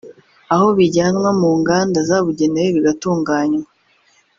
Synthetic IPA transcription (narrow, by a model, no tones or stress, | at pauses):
aho̞βiɟaːnwamuːŋɡaːndazaβuɟe̞neweβiɡatuːŋɡaːɲwa